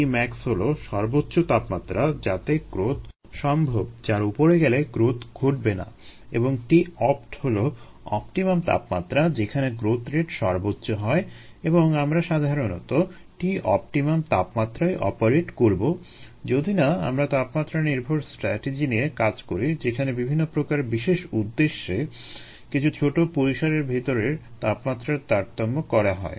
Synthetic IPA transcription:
imɛksɦoloʃɔɾbotːɕot̪apmat̪ːɾad͡ʑat̪eɡ̥ɾot̪ | ʃɔmbʱobd͡ʑaɾupoɾeɡɛleɡɾot̪ɡʱoʈ̚bena̰ḛboŋʈiɔpʈholo | ɔ̰pʈimamt̪a̰pmat̪ːɾad͡ʑekʰaneɡɾot̪ɾeʈʃɔɾbotːɕoɦɔe | eboŋamɾaʃad̪ʱaɾono̰t̪o | ʈiɔ̰p̚ʈimamt̪apmat̪ːɾaeʔɔ̰paɾeʈkoɾbo | d͡ʑod̪ʱinaa̰mɾat̪apmat̪ːɾaniɾbʱoɾsʈɾɛ̰ʈed͡ʑiniekad͡ʑkoɾid͡ʑekʰanebibʱinːopɾokaɾbiʃeʃud̪ːeʃːe | kit͡ɕʰut͡ɕʰoʈopoɾiʃaɾeɾbʱit̪oɾeɾt̪apmat̪ːɾaɾt̪aɾt̪omːokɔɾaɦɔ̰e

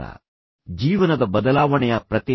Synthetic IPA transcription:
ɐ̰ | d͡ʒiːʋɐnɐd̪ɐbɐd̪ɐlaːʋɐɳɛjɐpɾɐt̪ji

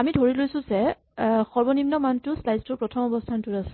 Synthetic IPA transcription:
amidʱoɹilojsũzɛ | xɔɹbɔnimnɔmantʊslajztupɹɔtʰɔmɔbɔstʰantʊtasɛ̥

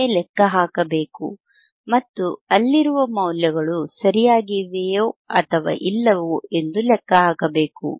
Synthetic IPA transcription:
elɛkːɐɦaːkɐbe̞ːkṵ | mɐt̪ːuɐlːiɾuʋɐmɐwljɐɡɐɭusɐɾijaːɡiʋejoːɐt̪ʰɐʋa̰ːʔilːɐʋue̞nd̪ulɛkːɐɦaːkɐbe̞ːkṵ

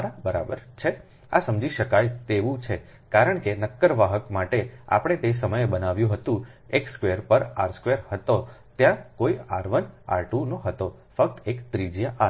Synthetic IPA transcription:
ɾabəɾa̰bəɾt͡ʃʰe | a̰səmd͡ʒiʃəkajt̪eʋũt͡ʃʰe | kaɾəɳkenəkːəɾʋaɦəkmaʈea̰pəɽ̃et̪es̬əməjbənaʋjũɦət̪ũekskʋeɾpəɾaɾskʋeɾhət̪ot̪jãkoia̰ɾʋəna̰ɾʈũnoɦət̪o | fək̚t̪ekt̪ɾid͡ʒjaʔa

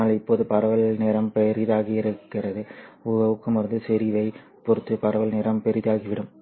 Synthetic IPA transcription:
aːlɪpːoːðɯpɐɾɐʋɐlneːɾɐmpɛɾɪðaːɣiɪɾɯkːɪrɐðɯʊɣɐʋɯkːɯmɪɾɯnd̪ɯsɛɾiʋɐɪ | pɔɾɯt̪ːɯpɐɾɐʋɐlneːɾɐmpɛɾɪðaːɣiʋɪɽɯm

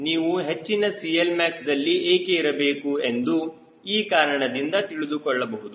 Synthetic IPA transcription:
niːʋuɦe̞t͡ʃːinɐsijelmaːksd̪ɐlːiʔeːkeiɾɐbe̞ːkue̞nd̪u | iːkaːɾɐɳɐd̪ind̪ɐt̪iɭid̪ukɔɭːɐbɐɦud̪u

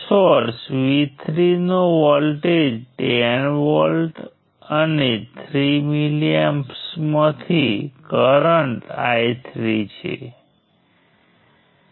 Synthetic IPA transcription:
soɾsʋit̪ʰɾinoʋəlʈed͡ʒʈenʋəlʈ | ənet̪ʰɾimiliempsmãt̪ʰikəɾəɳʈa̰jt̪ʰɾit͡ʃʰḛ

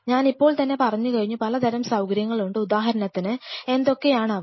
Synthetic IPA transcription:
ɲaːnipːo̞ːɭt̪ɐnːe̞pɐrɐɲːɨkɐɻiɲːupɐlɐd̪ʱɐɾɐmsɐwkɐɾjɐŋːɐɭuɳɖɨud̪aːɦɐɾɐnɐt̪ːinɨe̞nd̪o̞kːe̞jaːɳɐʋ

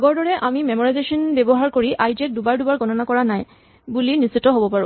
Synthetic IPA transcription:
aɡɔɹdɔɹɛʔamimemɔɹajzesɔnbɛbɔɦaɹkoɹiʔajd͡ʒɛk̚dubaɹdubaɹɡɔnɔnakɔɹanaj | bulinisitːɔɦobɔpaɹʊ̰̃

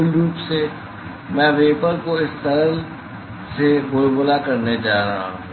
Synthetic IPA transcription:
lɾuːpse | mɛ̃ːʋeːpəɾkoɪst̪əɾəl | sebʊɾbʊlakɐɾned͡ʒaːɾaɦã̰ː

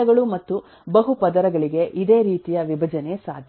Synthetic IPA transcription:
ɐɡɐɭumɐt̪ːu | bɐɦupɐd̪ɐɾɐɡɐɭiɡe̞ʔid̪eːɾiːt̪ijɐʋibʱɐd͡ʒɐnesaːd̪ʱ

